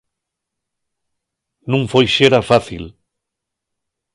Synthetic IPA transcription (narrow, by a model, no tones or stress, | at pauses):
nũŋfojʃeɾafaθḭl